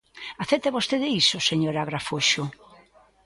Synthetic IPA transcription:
aθet̪eβost̪eðɪisoseɲoɾaɣɾafoʃʊ

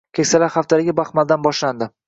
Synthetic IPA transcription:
kʲʰekʲsalaɾχaft̪ʰalɪɡʲabaχmald̪anbɒʃland̪ɪ

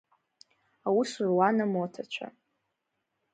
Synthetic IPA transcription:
awusurwanamotʰat͡ʃʷʰa̰

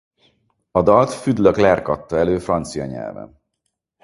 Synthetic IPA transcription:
ɒd̪ɒlt̪fyd̪løklɛrkɒt̪ːɒɛløːfrɒnt̪sijɒɲɛ̰lvɛ̰n

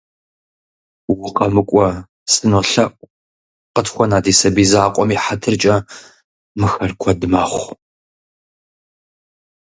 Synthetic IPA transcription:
wʊqɐmɨkʷʼɔ | sɨnoːɬɐʔʷ | qətxʷɔnaːdiːsɐbiːzaːqʷʼɔmiːħatʰɨrt͡ʃʼɐ | mɨxɐrkʷʰɔdɨmaːχʷ

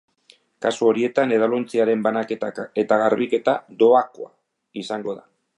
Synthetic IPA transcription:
kasuo̞ɾie̞t̪ane̞ðalo̞nt͡siaɾe̞mbanaket̪ae̞t̪aɣaɾβike̞t̪ad̪o̞akoa̰ | isaŋɡo̞ða

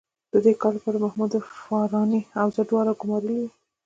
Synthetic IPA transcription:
d̪̥əd̪ekɑlpəɾmahmud̪fɑɾɑniawd͡ʒaɖwɑɾaɡʊmɑɾəli

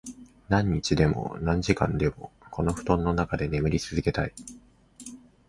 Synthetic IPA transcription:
nãɲ̟ːit͡ɕid̪e̞mo̞̰nãɲ̟d͡ʑikã̰nd̪e̞mo̞̰ko̞no̞ɸɯ̟̥t̪õ̞nːo̞nakad̪e̞ne̞mɯ̟ɾʲit͡sɨzɨke̞t̪ai

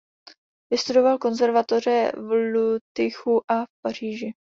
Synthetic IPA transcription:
vɪst̪udo̞valko̞nzɛɾvat̪o̞r̝ɛvlut̪ɪxuʔafpar̝̥iːʒɪ

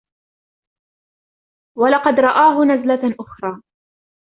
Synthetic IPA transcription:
walɑqɑd̪ɾˤɑʔaːɦʊnazlaʔʊxɾˤɑː

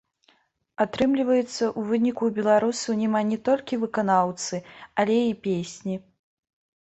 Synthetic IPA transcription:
at̪ɾɨmlʲivɐjɛt̪sːɐʔuvɨnʲikubʲɛlˠaɾusɐwnʲɛmanʲɛt̪ɔlʲkʲivɨkanawt̪sɨalʲɛipʲesʲnʲi

